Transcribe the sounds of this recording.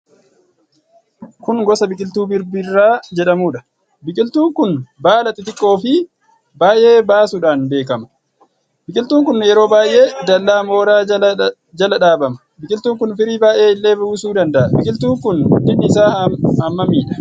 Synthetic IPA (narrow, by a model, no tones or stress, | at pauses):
kʊŋɡɔsɐbɪkʼɪlt̪uːbɪɾbɪrːaːd͡ʒɛᶑɐmuːᶑɐ̥ | bɪkʼɪlt̪uːŋkʊnbaːlɐt̪ɪt̪ɪkʼːo̞ːfɪ | baːʔe̞ːbaːsʊᶑaːnbe̞ːkɐmɐ̥ | bɪkʼɪlt̪uːŋkʊnːjɛɾo̞ːbaːjʔe̞ːd̪ɐlːaːmo̞ːɾaː | d͡ʒɐlɐᶑaːbɐmɐ̥ | bɪkʼɪlt̪uːŋkʊnfɪɾiːbaːʔe̞ːɪlːe̞ːbʊːsuːd̪ɐnd̪ɐʔɐbɪkʼɪlt̪uːŋkʊnɔd̪ːɪnːɪɪsaːɐmːɐmiːᶑɐ̥